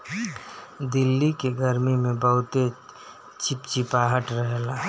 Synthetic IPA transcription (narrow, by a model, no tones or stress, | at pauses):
d̪ɪlːikeɡəɾmimẽbəɦʊt̪e | t͡ʃʰipt͡ʃipaɦəʈɾəɦela